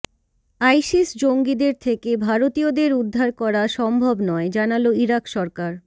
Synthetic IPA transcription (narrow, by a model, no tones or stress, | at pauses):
ajʃisd͡ʑoŋɡid̪eɾt̪ʰekebʱaɾot̪iod̪eɾud̪ʱːaɾkɔɾaʃɔmbʱobnɔed͡ʑanaloiɾakʃɔɾkaɾ